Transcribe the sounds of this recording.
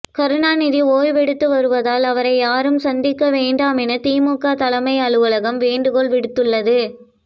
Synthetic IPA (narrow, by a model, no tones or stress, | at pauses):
kɐɾɯɳaːnɪðioːjʋɛɽɯt̪ːɯʋɐɾɯʋɐðaːlɐʋɐɾɐɪjaːɾɯmsɐnd̪ɪkːɐʋeːɳɖaːmɛnɐt̪iːmuːkaːt̪ɐlɐmɐɪɐɭɯʋɐlɐɣɐmʋeːɳɖɯɣɔɭʋɪɽɯt̪ːɯɭːɐðɯ